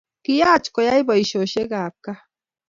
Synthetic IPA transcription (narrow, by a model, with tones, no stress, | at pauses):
ki˦jaː˦˨t͡ʃko˨ja˦jbɔ˨i˨ʃo˨ʃe˦ɡaː˨p̚ka˦